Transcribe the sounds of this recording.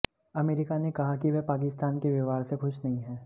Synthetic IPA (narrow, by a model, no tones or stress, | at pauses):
ɐmeːɾɪkanekɐɦakiʋɛpaːkɪst̪aːnkeʋjɪʋaːɾsexʊt͡ʃʰnɐɦĩɦɛ̃ː